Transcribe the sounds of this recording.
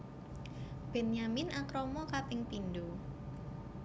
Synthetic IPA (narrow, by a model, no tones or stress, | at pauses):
b̥ɛnjamɪnakɾɔmɔkat̪ɪŋp̪indu